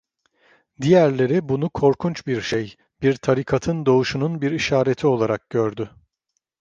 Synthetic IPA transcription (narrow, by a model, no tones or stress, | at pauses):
d̪ijæɾlʲe̞ɾibunukʰo̞ɾkʰunt͡ʃbiɾʃej | biɾt̪ʰaɾikʰat̪ʰɯnd̪o̞uʃununbiɾiʃaːɾe̞t̪ʰio̞lˠaɾak̚ɟøɾd̪ʏ